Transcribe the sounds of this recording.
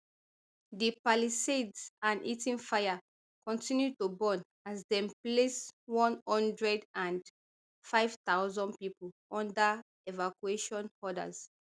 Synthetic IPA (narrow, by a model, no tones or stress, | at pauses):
dipalisedsãnitĩnfaɪa | kɔ̃ntĩnjutubɔ̃n | azdɛ̃mpleswɔ̃nhɔ̃ndɹɛdãn | faɪv̥t̪aʊzɔ̃npiplɔ̃nda | evakweʃɔ̃nhɔda̰z̥